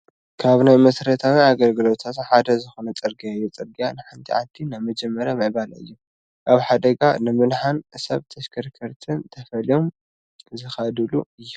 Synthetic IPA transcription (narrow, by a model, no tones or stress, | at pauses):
kʰaβnajmɐsɾɐt̪ʰawiaɡɐlɡɨlo̞t̪ʰat̪ħad̪ɐzɨxonɐt͡sʼɨɾɡiajːut͡sʼɨɾɡijanɨħant̪ʰiʕa̰nt̪ʰinajmɐd͡ʒɛmːɐɾjamɐʕbalɨ̰jːu | ʔaβħad̪ɐɡanɨmɨnħanɨsɐβt̪ʰɐʃkʰɐɾkʰɐɾt̪ʰɨnt̪ʰɐfɐlijo̞m | zɨxɐd̪ɨluɨjːu